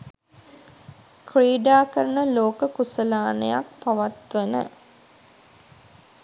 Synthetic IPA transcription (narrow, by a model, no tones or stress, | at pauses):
kriːɖaːkəɾənəloːkəkusəlaːnə̰ja̰k̚paʋat̪ʋenə̰